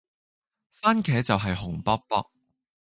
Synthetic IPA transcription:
faː˥nkʰɛː˨˥t͡sɐ˨wɦɐ˨jɦʊ˨˩ŋpɐ˥k̚pɐ˥k̚

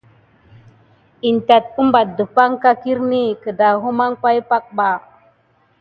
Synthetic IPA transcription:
i˨nta˨t̚u˦mba˨t̚də˨pa˦ŋka˦ki˦ɾni˦kə˨da˨ɦu˦ma˦ŋpa˦jpa˦k̚ɓa˨

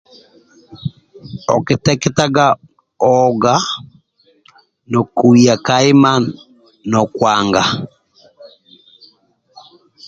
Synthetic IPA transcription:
ɔ˨ke˨tɛkɛtaɡa˦ | ɔɡa˦ | nɔ˨ku˨ia˨kaɪ˦ma˦n | nɔ˨kwaŋɡa˨

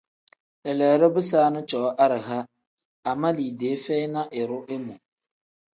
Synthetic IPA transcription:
ɛ˨lɛ˨ɾɪ˦bʊ˦saː˦nɨ˦t͡ʃɔ˨˦ʔa˦ɾɪ˨ɦa˦ | a˨ma˦liː˨de˨˦fɛ˦ɪ˦na˦ʔɪ˨ɾʊ˦ʔɪ˦mʊ˨

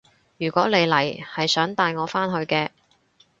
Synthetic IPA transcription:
jyː˨˩kʷɔː˨˥le˨˧jlɐ˨˩jhɐ˨jsœː˨˥ŋt̪aː˨˧jŋɔː˨˧faː˥nɦɵ˧ɥkɛː˧

